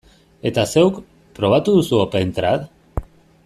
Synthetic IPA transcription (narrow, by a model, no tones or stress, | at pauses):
e̞t̪ase̞wk | pɾo̞β̞at̪uðusuopent̪ɾat̪